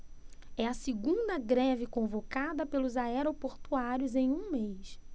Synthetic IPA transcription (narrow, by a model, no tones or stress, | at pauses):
ɛɐsɪɡũd̪ɐɡɾɛvɪkõvokad̪ɐpelʊzaɛɾopoɾt̪uaɾjʊzẽj̃ũmejs